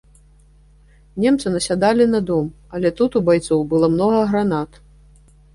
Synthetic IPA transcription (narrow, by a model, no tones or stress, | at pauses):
nʲemt̪sɨnɐsʲad̪alʲinɐd̪ɔm | ɐlʲɛt̪ut̪ubajt̪sɔwbɨlˠɔmnɔɣɐɣɾanat̪